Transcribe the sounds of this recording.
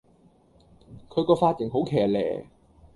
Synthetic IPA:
kʰɵ˨˧ɥkɔː˧faː˧˥t̚ːɪ˨˩ŋɦo˨˥wkʰɛː˨˩lɛ̰ː˨˩

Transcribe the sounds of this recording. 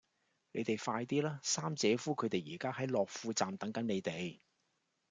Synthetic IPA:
ne˨˧jt̪e˨jfaː˧jt̪iː˥laː˥saː˥mt͡sɛː˨˧fuː˥kʰɵ˨˧t̪e˨jiː˨˩kaː˥ɦɐ˨˥jlɔː˨k̚fuː˧t͡saː˨mt̪ɐ˨˥ŋkɐ˨˥nne˨˧jt̪e˨j

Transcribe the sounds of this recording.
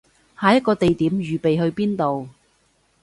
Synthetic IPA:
haː˨˧jɐ˥t̚kːɔː˧t̪e˨jt̪iː˨˥mjyː˨pe˨jɦɵ˧ɥpiː˥nt̪o˨w

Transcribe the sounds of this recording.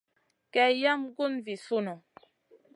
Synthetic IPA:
kɛ˨ja˦mɡu˦nvi˨su˦nɔ˨

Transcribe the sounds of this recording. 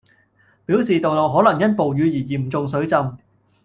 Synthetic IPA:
piː˨˥wsiː˨t̪o˨wlo˨wɦɔː˨˥lɐ˨˩ŋjɐ˥n̚po˨wjyː˨˧jiː˨˩jiː˨˩m̩˨t͡sʊ˨˧ŋs̬ɵ˨˥t͡sɐ˧m

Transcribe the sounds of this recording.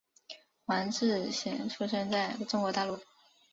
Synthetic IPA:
xwa˧˥nʂɻ̩˥˩ɕi˧˥ŋʈ͡ʂʰu˥ʂə˥˧nt͡sa˥˩ɪə˩ʈ͡ʂʊ˥ŋkwɔ˧˥t̪a˥˧lu˥˩

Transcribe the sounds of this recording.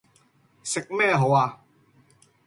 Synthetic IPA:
se˨˩k̚mɛː˥˩˨ɦo˨˦a˨˧˩

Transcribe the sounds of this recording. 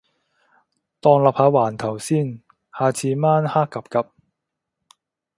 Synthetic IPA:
t̪ɔː˧ŋlɐ˨p̚haː˨˧waː˨˩nt̪ʰɐ˨˩wsiː˥n | haː˨˧t͡sʰiː˧maː˥nhaː˥kːɐ˨p̚kɐ˨p̚

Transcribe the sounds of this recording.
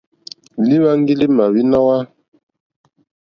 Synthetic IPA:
li˦βa˦ŋ˦ɡi˦li˦ma˨wi˦na˦wa˦

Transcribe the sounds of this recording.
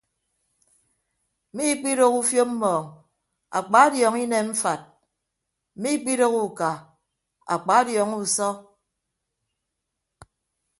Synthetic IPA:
mi˦k͡pi˦ɾo˦ku˦fjo˦m̩˦mɔː˨ŋ | a̰˨k͡pa˨˦djɔː˨ŋi˦ne˨m̩˦fa˨t̩̚˨ | mi˦k͡pi˦ɾo˦ku˨ka˨ | a̰˨k͡pa˨˦djɔ˨˦ŋu˦sɔ˦

